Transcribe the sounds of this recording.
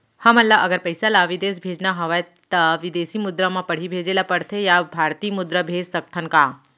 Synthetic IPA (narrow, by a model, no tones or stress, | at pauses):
həməlːaʔəɡəɾpəjsalaʋid̪esbʱed͡ʒnaɦəʋa | t̪əʋid̪esimʊd̪ɾəmãpəɽ̤ibʱed͡ʒelapəɽt̪ʰejabʱaɾt̪iːmʊd̪ɾəbʱed͡ʒsəkt̪ʰənkãː